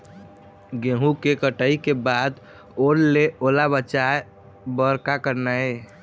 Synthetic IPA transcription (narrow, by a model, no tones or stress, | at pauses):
ɡẽɦũkekəʈəikebad̪ | oɾleolabət͡ʃae | bəɾkakəɾnae